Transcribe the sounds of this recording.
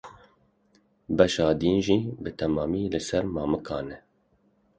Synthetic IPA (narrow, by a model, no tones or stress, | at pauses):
bɛʃɑːd̪iːnʒiːbɨt̪ʰɛmɑːmiːlɨsɛɾmɑːmɨkʰɑːnɛ